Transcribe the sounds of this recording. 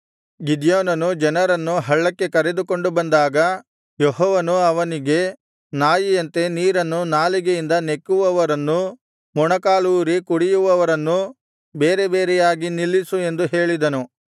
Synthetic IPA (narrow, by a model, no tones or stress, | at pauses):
ɡid̪joːnɐnud͡ʒɐnɐɾɐnːuɦɐɭːɐkːe̞kɐɾe̞d̪uko̞ɳɖubɐnd̪aːɡɐ | jɔɦɔːʋɐnuɐʋɐniɡe̞ | naːjijɐnt̪e̞niːɾɐnːunaːliɡejind̪ɐne̞kːuʋɐʋɐɾɐnːu | mɔɳɐkaːluːɾikuɽijuʋɐʋɐɾɐnːu | be̞ːɾe̞be̞ːɾɛjaːɡinilːisue̞nd̪uɦe̞ːɭid̪ɐnu